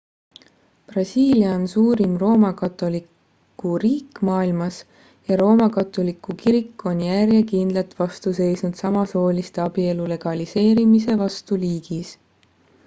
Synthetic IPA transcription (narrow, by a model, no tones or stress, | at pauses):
prɑsʲiːliɑnsuːɾimro̞ːmɑkɑt̪ˑo̞likː | uriːkˑːmɑːilmɑs | jɑɾo̞ːmɑkɑt̪ːˑolikːˑukiɾikːˑo̞njærjekind̪lɑt̪vɑst̪use̞jsnud̪̥sɑmɑso̞ːlist̪eɑbie̞lule̞ɡ̥ɑlise̞ːɾimise̞vɑst̪uliːɡ̥is